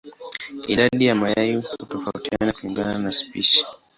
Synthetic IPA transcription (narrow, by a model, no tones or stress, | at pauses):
iɗaɗijamajajuhutɔfautianauiŋɡananaspiʃi̥